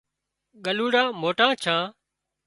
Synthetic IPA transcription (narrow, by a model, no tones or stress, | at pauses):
ɠəluːɽãːmoːʈãːt͡ʃʰãː